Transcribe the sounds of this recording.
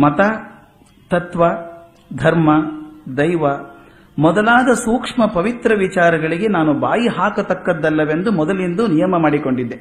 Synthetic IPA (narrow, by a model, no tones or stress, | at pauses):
mɐt̪ɐ | t̪ɐt̪ʋɐ | d̪ʱɐɾmɐd̪ɐjʋɐ | mɔd̪ɐlaːd̪ɐsuːkʂmɐpɐʋit̪ɾɐʋit͡ʃaːɾɐɡɐɭiɡe̞naːnubaːjiɦaːkɐt̪ɐkːɐd̪ːɐlːɐʋe̞nd̪umɔd̪ɐlind̪unijɐmɐmaːɽiko̞ɳɖid̪ːe